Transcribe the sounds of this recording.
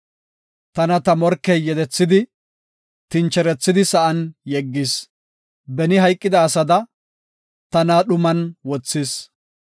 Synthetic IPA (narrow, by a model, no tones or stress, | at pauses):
t̪ɐnɐt̪ɐmɔɾkːɛjːɛd̪ɛt͡sːɪd̪ɪ | t̪ɪnt͡ʃːɛɾɛt͡sːɪd̪ɪsɐʔɐnjɛɡːɪs | bɛnɪɦɐjkʼːɪd̪ɐːsɐd̪ɐ | t̪ɐnaːɗʊmɐnwɔt͡sːɪs